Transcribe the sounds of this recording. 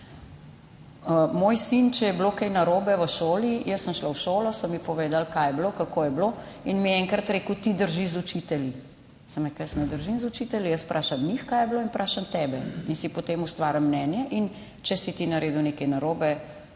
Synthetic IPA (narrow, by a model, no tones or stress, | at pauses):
əmoːjsint͡ʃɛjɛblokɛjnaɾoːbɛʋəʃoːlijəsːəmʃlawʃoːlɔsɔmːipɔʋeːd̪alkajɛblokakoːjɛblo | inmiɛɛŋkɾɐt̪ɾeːkuwt̪id̪əɾʒizut͡ʃit̪ɛlji | sɐmɾɛkajəsnɛd̪əɾʒinzut͡ʃit̪ɛljijəspɾʔaːʃamnixkaːjɛbloinpɾʔaːʃamt̪ɛbɛinsipɔt̪emust̪ʋaːɾjamːnɛːnjɛʔin | t͡ʃɛsit̪inaɾeːd̪uwneːkɛnaɾoːbɛ